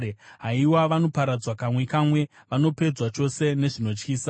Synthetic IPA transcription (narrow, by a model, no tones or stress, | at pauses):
ɦaiwaʋano̞paɾad͡zwakamwe̞kamwe̞ | ʋano̞pe̞d͡zwat͡ʃo̞se̞ne̞ʐino̞t͡ʃkiːsa